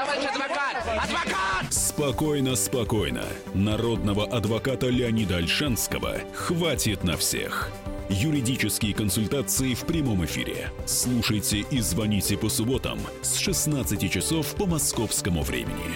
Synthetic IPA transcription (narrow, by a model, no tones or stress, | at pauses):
spɐkojnəspɐko̞jnə̰ | nɐɾo̞d̪nəvəʔɐd̪vɐkat̪əlʲɪɐnʲid̪əɐlʲʂanskəvə̰ | xvatʲɪt̪nɐ̰fsʲḛx | jʊɾʲɪdʲit͡ʃɪskʲɪjəkənsʊlʲt̪at̪sɨɪfpɾʲɪmo̞mɪfʲḭɾʲɪ̰slˠuʂəjtʲɪʔizvɐnʲitʲɪpəsʊbo̞t̪ə̰m | sʂɨsnat̪sɨtʲɪt͡ʃɪsofpəmɐskofskəmʊvɾʲḛmʲɪ̰nʲɪ̰